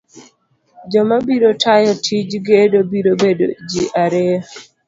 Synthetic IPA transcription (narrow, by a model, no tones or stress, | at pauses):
d͡ʒɔmabiɾotʰajɔtʰid͡ʒɡedobiɾobedo̰d͡ʒiʔaɾe